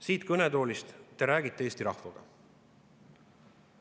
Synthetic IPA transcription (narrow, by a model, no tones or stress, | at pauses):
siːt̪kɵned̪o̞ːlist̪t̪ːeɾæːɡit̪ːˑeeːst̪iɾɑhvɑɡ̥ɑ̰